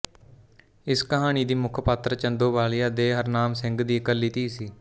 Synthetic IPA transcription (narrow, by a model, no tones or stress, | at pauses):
ɪskəɦaːñiːd̪iːmʊkʰpət̪ɾət͡ʃənd̪oːʋaːlɪjaːd̪eːɦəɾnaːmsɪ̃ŋɡd̪iːəkəlːiːt̪iːsiː